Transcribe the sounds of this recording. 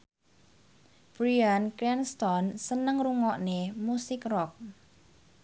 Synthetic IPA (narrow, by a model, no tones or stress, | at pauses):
b̥ɾiankɾɛnst̪ɔnsənəŋruŋɔʔnemusɪkrɔk̚